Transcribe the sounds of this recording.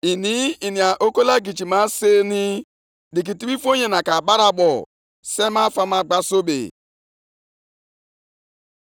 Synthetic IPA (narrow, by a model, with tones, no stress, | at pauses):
i˨ni˨˦i˨ni˨a˨ʔo˦ko˦la˦ɡi˨d͡ʒi˨ma˦se˦ni˦ | di˨k̬i˨ti˦bi˦fo˦ɲe˨na˨ka˨ba˦ɾa˨ɓɔ˨ | se˦ma˦fa˦ma˦ɡ͡ba˦so˦bḛ˨